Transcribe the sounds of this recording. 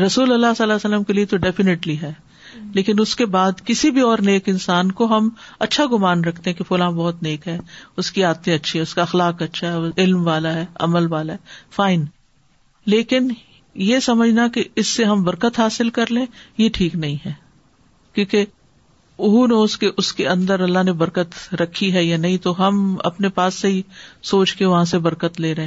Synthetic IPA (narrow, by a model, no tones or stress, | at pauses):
ɾɐsuːlɐlːasɐlːasəlːəmkeliet̪oɖɛfɪneʈliɦɛː | leːkɪnʊskebaːd̪kɪsibʱiɔːɾneːkɪ̃nsaːnkoɦɐm | ɐtːʃʰaɡʊmaːnɾɐkʰt̪eɦɛ̃kefʊlãːbɔːʊt̪neːkɦɛːʊskiaːd̪̚tẽɐtːʃʰiɦɛ̃ʊskaɐxlaːkɐtːʃʰaɦɛɪlmʋaːlaɦɛːɐ̰məlʋaːlaɦɛːfaːɪn | leːkɪn | jesɐməd͡ʒʱnakeɪsːeɦɐmbɐɾkət̪ɦaːsɪlkɐɾlẽːjeʈʰiːknɐɦĩɦɛː | kjõːke | ʊɦuneʊskeʔʊskeɐ̃nd̪əɾɐlːaɦnebɐɾkət̪ɾɐkʰːiɦɛjanɐɦĩt̪oɦɐmɐ̰pnepaːsːeɦisoːt͡ʃkeʋɐɦãsebɐɾkət̪leːɾɐɦẽː